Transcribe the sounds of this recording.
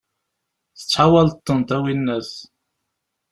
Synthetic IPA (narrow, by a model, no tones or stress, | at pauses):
θə̥t͡sːħawɑlt̪ːənt̪æwinːæθ